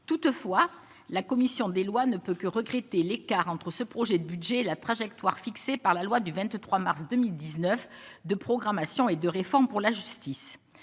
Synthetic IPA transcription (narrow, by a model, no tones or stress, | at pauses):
t̪ut̪fwa | lakɔmisjɔ̃d̪elwanəpøkəʁəɡʁet̪elekaʁɑ̃t̪χəsəpχɔʒɛd̪əbyd̪ʒɛelat̪χaʒɛk̚t̪waʁfiksepaʁlalwad̪yvɛ̃t̪t̪χwamaʁsd̪əmild̪iznœfd̪əpχɔɡʁamasjɔ̃ed̪əʁefɔʁmpuʁlaʒyst̪is